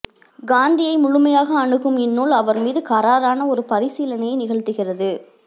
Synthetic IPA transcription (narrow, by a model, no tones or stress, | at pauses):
ɡaːnd̪ɪjɐɪmʊɻʊmɐjaːɣɐːɳɯɣɯmɛnːuːlɐʋɐɾmiːðɯkɐɾaːɾaːnɐɔɾɯpɐɾɪsiːlɐnɐjɐɪnɪɣɐɭt̪ɯɣɪrɐðɯ